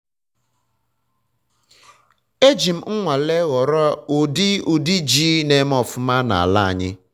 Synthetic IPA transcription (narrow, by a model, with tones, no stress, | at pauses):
e˦d͡ʒi˨m̩˦ŋ̩˦ŋʷa˨le˦ɣɔ˨ɾɔ˦o˨di˦u˨di˦d͡ʒiː˦ne˨˦m˦ɔ˦fʊ˦ma˦na̰˨a̰˨la˦a̰˨ɲɪ˦